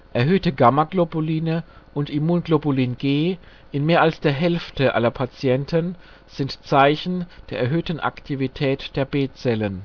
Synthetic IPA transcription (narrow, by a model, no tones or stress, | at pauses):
ʔɛɐɦøːtəɡamɐɡlobuliːnə | ʔʊntimuːnɡloboliːnɡ̥eː | ʔɪnmeːɐalsd̥eːɐɦɛlftəʔa̰lɐpʰat͡sjɛntʰən | z̥ɪntt͡saɪçn̩d̥eːɐɛɐɦøːtn̩ʔa̰ktʰivitʰɛːtd̥eːɐbeːt͡sɛlən